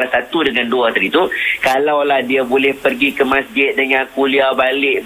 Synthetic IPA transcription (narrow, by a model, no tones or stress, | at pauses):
lahsat̪udəŋanduat̪əɾit̪ukalawlahdiabolɛhpərɡikəmãsd͡ʒɪt̪̚dəŋãnkuliabalɪʔ